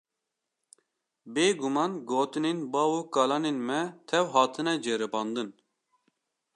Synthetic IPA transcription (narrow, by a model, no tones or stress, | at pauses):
beːɡumɑːnɡoːt̪ɨnenbɑːuːkɑːlɑːnenmɛt̪ʰɛwɦɑːt̪ʰɨnɛd͡ʒeːɾɨpɑːnd̪ɨn